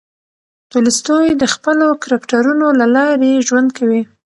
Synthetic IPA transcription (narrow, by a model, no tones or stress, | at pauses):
t̪ulist̪ojd̪əxpəlokɾakʈaɾunolalɑɾeʒwand̪kawi